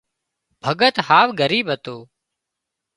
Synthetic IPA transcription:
bʱəɡət̪haːʋɡəɾiːbɦət̪oː

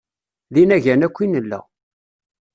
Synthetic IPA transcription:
ðinæʝænækʷːinəlːæ̰

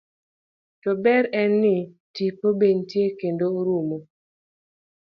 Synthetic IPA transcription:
tɔbɛɾɛnːɪ | tipobeɲtjekendoɾumo

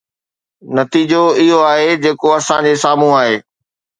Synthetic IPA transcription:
nɐt̪iːd͡ʑoɪɦoaːɦed͡ʑeːkoɐsãd͡ʑesaːm̤ũaːɦeː

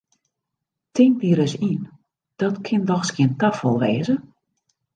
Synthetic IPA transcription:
tʰɪŋ̚diəɾəsin | d̥ɔtkʰɪndɔxskiəntafɔlˠʋeːzə

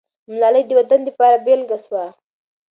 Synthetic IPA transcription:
mlɑləjd̪əwad̪and̪əpɑɾabelɡaswa

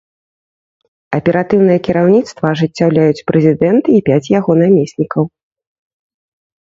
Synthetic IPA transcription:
ɐpʲɛɾat̪ɨwnɨjɛkʲiɾawnʲit̪st̪vɐːʐɨt͡sʲːawlʲajut͡sʲpɾɛzʲid̪ɛnt̪ɨipʲat͡sʲjaɣɔnamʲesʲnʲikɐw

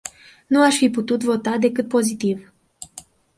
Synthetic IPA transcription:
nuaʃfiput̪ut̪vo̞t̪ad̪e̞kɨt̪̚po̞zit̪iv

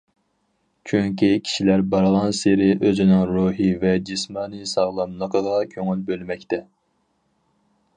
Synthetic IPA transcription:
t͡ʃʰyŋkʲikʲʰi̥ʃilæɾbɑɾʁɑnseɾɪʔøzɪnɪŋɾuɦivɛd͡ʒismɑːnɨsɑʁlˠɑmnəqʰəʁɑkʲʰøŋylbølmɛkʲt̪ɛ

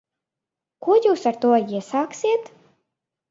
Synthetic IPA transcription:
kuɔjuːsaɾt̪uɔiɛsaːksʲiɛt̪

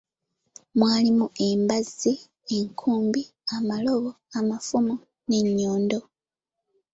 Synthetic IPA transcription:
mwaːlimuʔe̞mbazi | eŋkʰuːmbi | amalo̞βo̞ | amafumu | ne̞ɲːoːndo̞

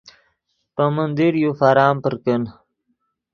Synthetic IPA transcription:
pəmənd̪iɾjufaɾɑːmpəɾkən

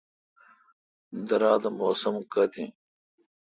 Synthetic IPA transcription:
d̪ɐɾaːd̪ɐmoːsɐmkɐt̪ʰḭ̃ː

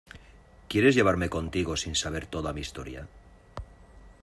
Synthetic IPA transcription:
kje̞ɾe̞zʝe̞β̞aɾme̞ko̞nt̪iɣo̞sinsaβ̞e̞ɾt̪o̞ðamiːst̪o̞̰ɾja̰

